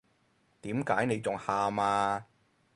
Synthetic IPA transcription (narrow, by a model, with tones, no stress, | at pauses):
t̪iː˨˥mkaː˨˥jne˨˧jt͡sʊ˨ŋhaː˨˧maː˧